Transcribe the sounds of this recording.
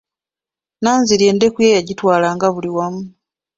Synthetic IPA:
naːnziɾje̞ːnde̞kujejaɟitwaːlaːŋɡaβuliwamu

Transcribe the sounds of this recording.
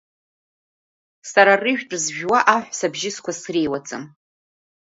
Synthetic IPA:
saɾarɨʒᶣʈ͡ʂʼzʒᶣwaʔaħʷsabʒɪskʷʰasrejwat͡sʼɨ̰m

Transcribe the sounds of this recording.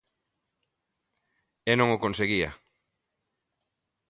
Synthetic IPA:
enõŋokõnseɣiɐ̰

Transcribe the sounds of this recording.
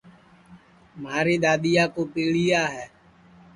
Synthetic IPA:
maːɾiːɗ̪aːɗ̪ɪjaːkoːpiːɭijaːɦɛː

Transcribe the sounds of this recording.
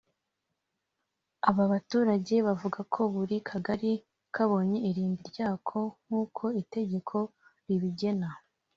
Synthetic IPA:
aβaβatuːɾaɟe̞βavuɡakʰo̞βuɾikʰaɡaɾi | kʰaβo̞ːɲe̞iɾiːmbiɾɟaːkʰo̞ŋ̥huːkʰo̞ite̞ɟe̞kʰo̞ɾiβiɟe̞na

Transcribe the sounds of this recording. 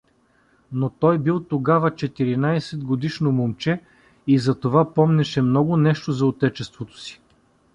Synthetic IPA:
not̪ɔjbilˠt̪oɡavət͡ʃɛt̪iɾinajsɛd̪̚ɡod̪iʃnomomt͡ʃɛ | izɐt̪ovapɔmnɛʃɛmnɔɡʊnɛʃt̪ozɐot̪ɛt͡ʃɛst̪vot̪o̥si̥

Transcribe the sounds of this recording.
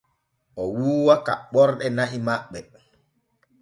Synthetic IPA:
ʔɔwuːwaka̰ɓɔɾɗɛnahimaɓːɛ

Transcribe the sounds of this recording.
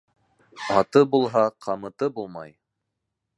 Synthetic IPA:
ɑt̪ɤbulˠɦɑqʰɑmɤ̆t̪ɤbulˠmɑ̰j

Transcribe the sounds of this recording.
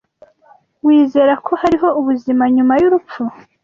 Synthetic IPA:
wiːze̞ɾakʰo̞haɾiɦo̞uβuzimaɲumajuɾup͡fu

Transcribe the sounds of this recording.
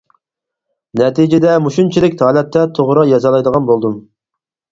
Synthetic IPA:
nɛt̪ʰid͡ʒɪd̪ɛmuʃunt͡ʃʰilɪkʲt̪ʰɑːlˠɛpt̪ːɛt̪ʰoʁɾɑjɑzɑlˠɑjd̪əʁɑnbolˠd̪um

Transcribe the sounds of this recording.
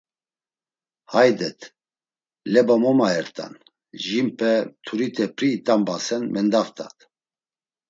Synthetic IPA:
hajd̪ɛt̪ʰ | lɛbamɔmaɛɾt̪ʰʼa̰n | ʒimpʰɛt̪ʰuɾit̪ʰʼɛpʰɾiːt̪ʼambasɛnmɛnd̪aft̪ʰʼat̪ʰ

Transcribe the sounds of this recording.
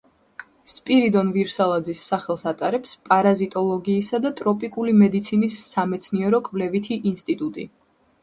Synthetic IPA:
spʼiɾid̪ɔnviɾsalˠad̪zisːaχɛlˠsat̪ʼaɾɛpspʼaɾazit̪ʼɔlˠɔɡiːsad̪at̪ʼɾɔpʼikʼulimɛd̪it̪sʰinisːamɛt̪sʰniɛɾɔkʼvlɛvit̪ʰiʔinst̪ʼit̪ʼut̪ʼḭ

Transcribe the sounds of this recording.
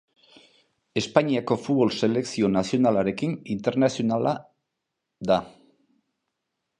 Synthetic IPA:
e̞spaɲiako̞fuβo̞lse̞le̞ksio̞nasionalaɾe̞kinint̪e̞ɾnasio̞nala | ða

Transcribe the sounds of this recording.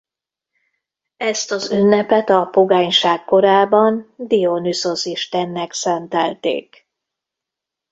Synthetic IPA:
ɛst̪ɒzynːɛpɛt̪ɒpo̞ɡaːɲʃaːkːo̞ɾaːbɒnd̪ionyso̞siʃt̪ɛnːɛksɛnt̪ɛlt̪ḛːk

